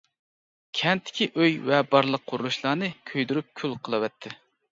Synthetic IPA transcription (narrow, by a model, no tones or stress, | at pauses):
kʲʰɛnt̪ʰːɪ̥kʲʰiʔøjvɛbɑɾlˠəq̚ʰːʊɾulˠuʃlˠɑːnɨkʲʰøjd̪yɾyp̚kʲʰylqʰəlˠɨwɛt̪ʰːɪ